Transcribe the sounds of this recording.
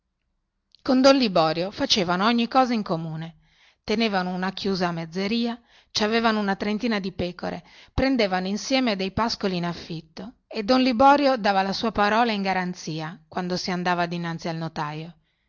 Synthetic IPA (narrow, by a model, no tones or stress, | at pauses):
kond̪onlibɔːɾjofat͡ʃeːvanoɔɲːikːɔːzaiŋkomuːne | t̪eneːvanounakʰjuːzaːmːed̪zːeɾiːa | t͡ʃaveːvanounat̪ɾent̪iːnad̪ipɛːko̰ɾʔḛpɾend̪eːvanoinsjɛːmed̪ejpaskoliːnafːit̪ːo | ed̪ːonlibɔːɾjod̪aːvalasuːapaɾɔːlaiŋɡaɾant̪siːakwand̪osiand̪aːvad̪inant̪sialnot̪aːjo